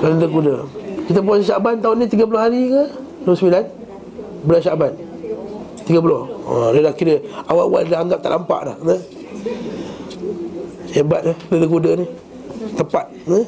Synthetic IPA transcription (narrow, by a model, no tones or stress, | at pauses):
lalədəkudəkit̪əp̬aaʃaʔbant̪aʊnit̪iɡəp̬ulohaɾikə | dosəmilan | bəlaʃaʔban | t̪iɡəp̬ulohlədakiɾəawaʔwa̰ʔdaaŋɡap̚t̪a̰ʔampa̰ʔla̰hnə | jabat̪̚alədəkudəni | t̪əpat̪̚nə